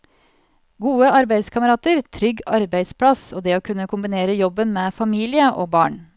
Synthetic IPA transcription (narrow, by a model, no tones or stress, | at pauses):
ɡuːəɑɾbæɪskʰɑməɾɑːt̪əɾt̪ʰɾʏɡɑɾbæɪd̪spʰɽɑsoːd̪eːoːkʰʉnːəkʰʊmbɪneːɾəjɔbənmeːfɑmiːlɪəʔo̰ːbɑ̰ːɳ